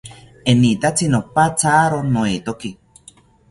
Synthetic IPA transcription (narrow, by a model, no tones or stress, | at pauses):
enit̪at͡sinopat͡saːɾonoit̪oki